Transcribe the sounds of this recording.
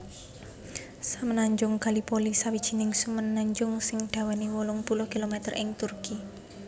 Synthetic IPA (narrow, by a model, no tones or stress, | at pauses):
samənaɲd͡ʒʊŋɡ̥a̤lipolisawid̥ʒ̥i̤nɪŋsumənːaɲd͡ʒʊŋsɪŋɖ̪̥a̤waniwolʊŋpulʊhkilomɛt̪ərʔɪŋt̪urki